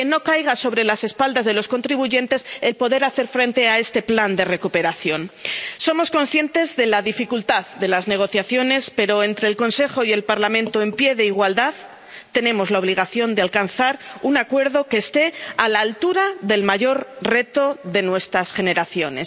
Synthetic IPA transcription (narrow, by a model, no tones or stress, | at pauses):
keno̞kajɣ̞aso̞βɾe̞lase̞spald̪azðe̞lo̞sko̞nt̪ɾiβuʝe̞nt̪e̞selpo̞ðe̞ɾaθe̞ɾfɾe̞nt̪e̞ae̞st̪e̞pland̪e̞re̞kupe̞ɾaθjo̞nso̞mo̞sko̞nsθje̞nt̪e̞zðe̞laðifikult̪aððe̞lazne̞ɣ̞o̞θjaθjo̞ne̞spe̞ɾo̞ent̪ɾe̞ːlko̞nse̞xo̞ie̞lpaɾlamẽ̞nt̪o̞e̞mpje̞ðeiɣ̞wald̪að | t̪e̞nẽ̞mo̞zlao̞β̞liɣ̞aθjo̞nd̪ealkanθaɾunakwe̞ɾðo̞ke̞ːst̪e̞alaːlt̪uɾaðe̞lmaʝo̞ɾre̞t̪o̞ðe̞nwe̞st̪ɾasxe̞ne̞ɾaθjo̞ne̞̰s